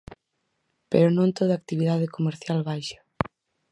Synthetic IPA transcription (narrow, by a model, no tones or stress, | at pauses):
pḛɾonõnt̪oðaːk̚t̪iβiðaðekomeɾθjalβajʃḁ